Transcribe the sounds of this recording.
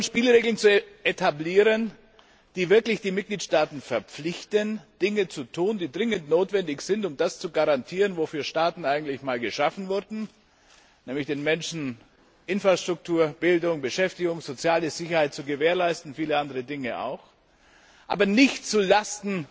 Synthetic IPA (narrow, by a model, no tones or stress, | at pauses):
ʊnʃpiːlʁeːɡl̩nt͡suʔetʰabliːʁən | d̥iːvɪɐklɪçd̥iːmɪt̚ɡ̥liːtʃtaːtn̩fɛɐp͡flɪçtənd̥ɪŋət͡sutʰuːndiːdʁɪŋəntnoːtv̥ɛndɪçz̥ɪntʊmd̥ast͡suɡaʁantʰiːʁənvofyːɐʃtaːtn̩aɪɡŋ̩tlɪçmaːlɡəʃafn̩vʊɐdn̩ | nɛːmlɪçd̥eːnmɛnʃn̩ | ʔɪnfʁ̥aʃtʁ̥ʊk̚tʰuːɐb̥ɪldʊŋbəʃɛftɪɡʊŋz̥ot͡sjaːləz̥ɪçɐhaɪt̚t͡suɡəveːɐlaɪstn̩fiːləandəʁədɪŋəʔa̰ʊx | ʔa̰ːbɐnɪçtt͡sulastn̩